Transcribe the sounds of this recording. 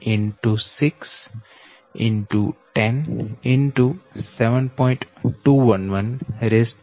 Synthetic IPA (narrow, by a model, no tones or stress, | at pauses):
ɪ̃nʈusɪks | ɪ̃nʈuʈɛ̃nɪ̃nʈusɛʋə̃npɔ̃ɪ̃ɳʈʈuːʋʌ̃nʋʌ̃nɾesʈ